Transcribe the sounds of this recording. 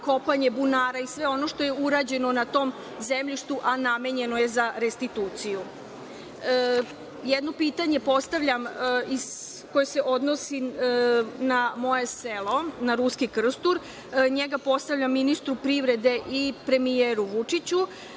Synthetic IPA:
ko̞paɲe̞bunaːɾaisʋe̞o̞no̞ʃt̪o̞jeuɾad͡ʑe̞no̞nat̪o̞ːm | zemʎiʃt̪uʔaname̞ɲe̞noje̞zaɾest̪it̪uːt̪siju | jɛd̪no̞piːt̪aɲe̞po̞st̪aʋʎʲamiz | ko̞jeseʔo̞d̪no̞si | namo̞jeselo̞naɾuskikr̩st̪uɾ | ɲeɡapo̞st̪aʋʎʲamːinist̪ɾupɾiʋɾe̞d̪e̞ʔipɾe̞mieɾuʋut͡ʂit͡ɕu

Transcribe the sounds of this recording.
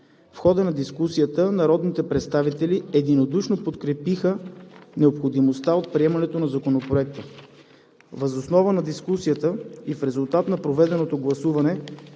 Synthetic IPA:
fxɔd̪ənɐd̪iskusijət̪ənɐɾɔd̪nit̪ɛpɾɛt̪st̪avit̪ɛliɛd̪inod̪uʃnopot̪kɾɛpixənɛopxod̪imost̪aot̪̚pɾiɛmɐnɛt̪onɐzɐkonopɾoɛk̚t̪ə | vəzosnɔvənɐd̪iskusijət̪əifɾɛzʊlˠt̪at̪nɐpɾovɛd̪ɛnot̪oɡlˠɐsuvɐnɛ

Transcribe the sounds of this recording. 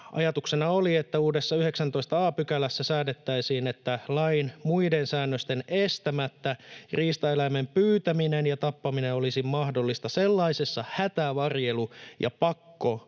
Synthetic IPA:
ʔɑ̰jɑt̪uksenɑoliet̪ːæuːdesːɑyheksænt̪oist̪ɑɑːpykælæsːæsæːdet̪ːæisiːnet̪ːælɑinmuidensæːnːøst̪enest̪æmæt̪ːæriːst̪ɑelæmempyːt̪æminenjɑt̪ɑpːɑminenolisimmɑhdo̞lːist̪ɑselːɑisesːɑhæt̪æʋɑrje̞lujʔɑ̰pɑkːo

